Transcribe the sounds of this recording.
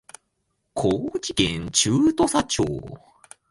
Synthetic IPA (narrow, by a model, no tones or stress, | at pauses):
kʰoːd͡ʑikẽɲt͡ɕɨːt̪o̞sat͡ɕo̰ː